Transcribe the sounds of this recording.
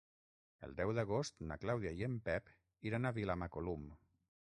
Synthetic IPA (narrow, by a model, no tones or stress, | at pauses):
ə̰lˠd̪ɛwðəɣost̪na̰klawðiaiəmpɛp | iɾanaβilamakolum